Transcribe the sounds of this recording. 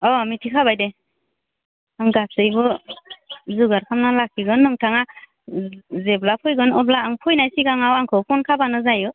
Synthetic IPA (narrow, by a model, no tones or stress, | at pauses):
ɔmitʰikʰabajde | aŋɡasɯjbɯ | zuɡaɾkʰamnalakʰiɡɯnːɯŋtʰaŋa | zeblapʰɔjɡɯnɔblaːŋpʰujnajsiɡaŋawaŋkʰɯwpʰɔnkʰabanɯzajɯ